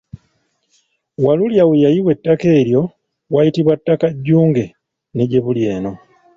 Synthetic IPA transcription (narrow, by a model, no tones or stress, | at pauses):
waluljawejajiwe̞tːake̞ːɾjo̞ | wajitiβwatːakaɟːuːŋɡe̞ | niɟe̞βulje̞ːno̞